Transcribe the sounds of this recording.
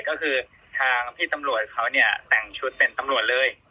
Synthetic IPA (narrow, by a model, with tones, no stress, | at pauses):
kɔː˥˩kʰɯː˧ | t̪ʰaː˧ŋp̪ʰiː˥˩t̪a˧mɾu˨˩ət̪̚kʰa˦˥wni˥˩ɐt̪ɛ˨˩ŋt͡ɕʰu˦˥t̪̚pe˧nt̪a˧mɾu˨˩ət̪̚lɤː˧j